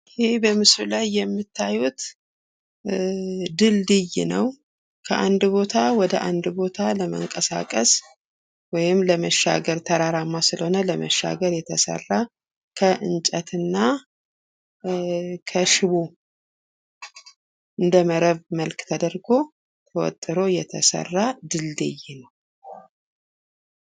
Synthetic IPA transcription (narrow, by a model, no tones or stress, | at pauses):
hebəmɨsɾulajːɛmːɨt̪ʰːajut̪ | d̪ɨld̪ɨjnəw | kʰəʔand̪bo̞t̪ʰawɔd̪əʔand̪bo̞t̪ʰaləmə̰ŋkʼəsa̰kʼəs | wɔjɪmləməʃːa̰ɡəɾt̪ʰəɾaɾamːasɨləhonələməʃːa̰ɡəɾjɛt̪ʰəsə̰rːa | kʰəʔɨnt͡ʃʼət̪ɨnːa | kʰəʃɪβo | ʔɨnd̪əməɾəβməlkt̪ʰəd̪əɾɡo̞ | t̪ʰəwɔ̰t̪ʼːɨɾo̞jɛt̪ʰəsə̰rːad̪ɨld̪ɨjɪnəw